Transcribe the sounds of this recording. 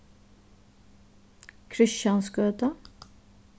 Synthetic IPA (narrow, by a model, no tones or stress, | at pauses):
kʰɾɪʃɑnskøːt̪ə